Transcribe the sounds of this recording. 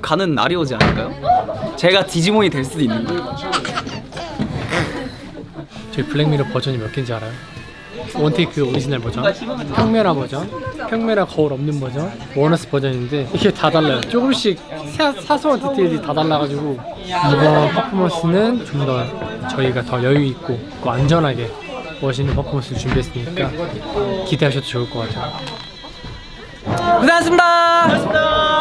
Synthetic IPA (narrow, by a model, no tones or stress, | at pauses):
kanɯnːa̰ɾiwʌd͡ʑianɯɭk͈ajot͡ɕe̞ɡat͡ɕid͡ʑimoɲitwe̞ɭs͈uduinːɯnɡa | t͡ɕʌipʰɯɭːeŋmiɾopʌd͡ʑʌɲimjʌk͈ind͡ʑiaɾajo | wʌntʰekɯoɾid͡ʑinaɭbʌd͡ʑʌnpʰjʌŋmjʌɾɦabʌd͡ʑʌnpʰjʌŋmjʌɾɦakʌuɾʌmnɯnbʌd͡ʑʌnwʌnʌsʰɯ̥pʌd͡ʑʌninde̞kʰetadaɭːajot͡ɕ͈oɡɯmɕ͈ik̚sʰesʰasʰʌŋʌtʰitʰeiditadaɭːaɣad͡ʑiɡo | ibʌnpʰapʰɯmʌs͈ʰɯnɯnt͡ɕomdʌt͡ɕʌiɡatʌjʌjuik̚k͈o | kowand͡ʑʌnɦaɡe̞ | wʌɕ̬ʰinːɯnpʰapʰɯmʌs͈ʰɯt͡ɕumbiɦes͈ɯmɲik͈a | kideɦaɕ̬ʰʌdot͡ɕʌuɭk͈ʌk͈at͈ʰe | kɯnaas̬͈ɯmida